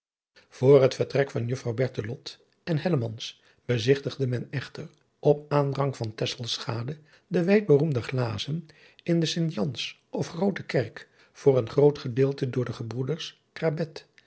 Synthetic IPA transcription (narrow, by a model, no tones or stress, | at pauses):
v̥ʊːrɦətfəɹtrɛkfɑnjɵfrɑwbɛɹtəlɔt | ɛnɦɛləmɑns | b̥əzɪχtəχdəmɛnɛχtər | ʔɔpaːndrɑŋvɑntɛsəlˠsχaːdə | dəʋɛjd̚bərumdəχlaːzən | ɪndəsɪndijɑns | ʔɔfχrowtəkɛrk | v̥ʊːrənχrowtχədɪːlˠtədʊːɹdəχəbrudəɹs | krabɛt